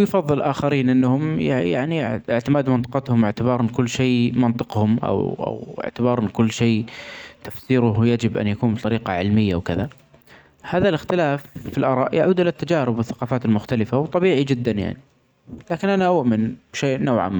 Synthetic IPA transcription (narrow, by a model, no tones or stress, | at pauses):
wjfɑðˤːɨlʔaːxaɾiːnʔɪnːhʊmjaja̰ʕniɪʕt̪ɪmaːd̪mɑnt̪ˤɨ̥qɑt̪hʊmɪʕt̪ɪbɑːɾˤnkʊlːʃeːmɑnt̪ˤɨqhʊmʔa̰wʔa̰wɪ̰ʕt̪ɪbɑːɾˤʔɪnːkʊlːʃeːt̪afθiːɾʊhjad͡ʒɪbʔa̰njakuːnbt̪ˤɑɾiːqɑʕɪlmɪjːawkɪða | haːðalɪxt̪ɪlaːfːilʔɑːɾˤɑ̰ːʔjaʕuːd̪ʔɪlat̪ːad͡ʒaːɾɪbːɪθːaqɑːfaːt̪ɪlmʊxt̪alɪfawt̪ˤːɑbiːʕid͡ʒɪd̪ːanja̰ʕni | laːkɪnʔanaʔʊʔmɪnbʃeːʔnowʕa̰m